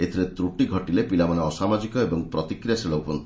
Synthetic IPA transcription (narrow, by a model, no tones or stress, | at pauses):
et̪ʰiɾet̪ɾuʈiɡʱɔʈilepilamanaɔsamad͡ʒikɔebɔŋpɾɔt̪ikɾijaseɭɔupɔnt̪i